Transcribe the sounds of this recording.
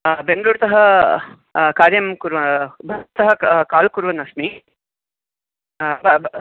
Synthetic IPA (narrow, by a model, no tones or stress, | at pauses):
beŋɡəɾuːɾt̪ɐɦɐ | kaːɾjɐmkuɾʋɐbʱɐt̪ːɐɦɐkaːlkuɾʋɐnɐsmi | bɐ